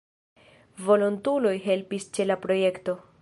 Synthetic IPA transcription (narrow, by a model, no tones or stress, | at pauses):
vo̞lontulo̞jɦe̞lpist͡ʃe̞lapɾo̞je̞kto̞